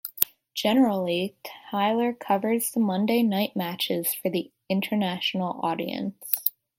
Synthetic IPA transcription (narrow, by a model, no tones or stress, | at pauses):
d̥ʒ̥ɛnə˞l̩ˠiaɪlˠə˞kʰʌvə˞dz̥sʌ̃mʌ̃ndeɪnaɪʔ̚mæt͡ʃɪz̥fə˞ði | ɪ̃ntʰə˞næʃn̩l̩ˠɔ̰ɾḭɨ̰̃ns